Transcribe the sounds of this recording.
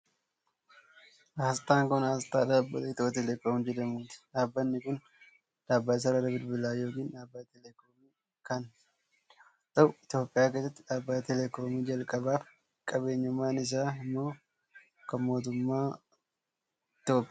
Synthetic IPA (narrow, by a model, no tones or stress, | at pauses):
ast̪aːŋkɔnaːst̪aːdaːbːɐt̪ɛt̪oːt̪ɛlɛkoːmd͡ʒɛd̪ɐmuːt̪ɪ̥ᶑaːbːɐnːɪkʊn | ᶑ̪aːbːas̬ɐɾɐɾɐbɪɾbɪlaːjo̞ːkiːnᶑaːbːat̪ɛlɛkoːmiː | kɐn | t̪ʼːɐwɪt̪jo̞ːpʼːɪjaːkeːsɐt̪ːɪᶑaːbːatt̪ɛlɛko̞ːmiːd͡ʒɐlkʼɐbaːf | kʼɐbe̞ːɲːʊmːaːnɪs̬aːɪmːo̞ː | kɐmo̞ːt̪̬ʊmːaː | ɪt̪jo̞ːpʼɪaː